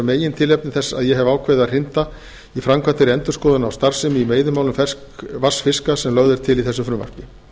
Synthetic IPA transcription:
meːjɪnt̪ʰɪlɛpnɪθɛsːa̰ðjɛɦɛvaːwkʰvɛjðaðr̥ɪnt̪a | ifɾamkʰvant̪ɪɾɪɛnt̪ʏ̥skɔːðanawst̪aɾ̥sɪmimeːjðʏmawlʏmfɛskvasfɪskasɛmlœɣðɪɾ̥t̪ʰɪliθɛsːʏfɾʏma̰r̥pɪ

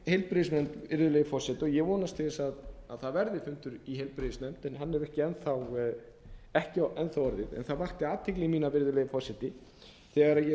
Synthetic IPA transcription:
hejlpɾɪɪsmɛmt̪vɪɾðʏleːɣfɔrsɛt̪ɔjɛɣvɔːnast̪ʰɪðɪsaðaðθaðvɛɾðɪfʏnt̪ʏɾiɦejlpɾeðɪsmɛmt̪ɛnɦanːɛɾɛhcɪɛnθaw | ɛhcɪaɛnθawɔɾðɪðɛ̰nθaðvaht̪ɪaːt̪ʰːɪklɪmiːnavɪɾðʏleːjɪfɔsɛt̪ɪ | θɛɣaɾaðjɛ

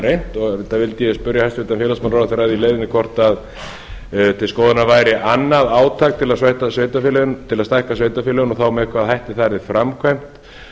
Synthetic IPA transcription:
ɾejn̥t̪ɔɣt̪ʰavɪlt̪ɪjɛspʏɾjahajst̪ʏːt̪anfjɛːlasmanraːwðaθaɾajðileːjðɪnɪkʰɔr̥t̪að | t̪ʰɪlskɔːwðanavaːjɾɪʔanːaðaːwt̪ʰaːk̚t̪ʰɪlaðsvajht̪asveːjt̪afɛlɛʏnt̪ʰɪlaðst̪ajhkasveːjt̪afɛːlɛʏnɔθaːwmɛɛhkʰvaðhajht̪ɪθaɾðɪfɾamkʰvajm̥t̪

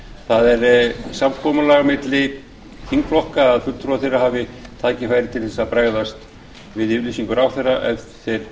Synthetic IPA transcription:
θaðɛɾsamkʰɔːmʏlaɣamɪt̪lɪ | θʰiŋkflɔhkaːðfʏl̥t̪ʰɾuaθejraɦaːvɪt̪ʰaːcɪfaːjɾɪt̪ʰɪlθɛsapɾaɣðast̪ | vɪðɪlisiŋkʏɾawθɛrːaʔɛ̰θɛɾ̥

